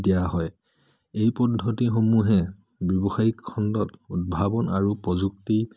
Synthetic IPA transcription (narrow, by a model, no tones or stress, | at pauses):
dijaɦɔj | ejpɔdʱːɔtixomuɦɛ | bjɔbɔxajikʰːɔndɔtud̚bʱabɔnaɹupɹɔzukti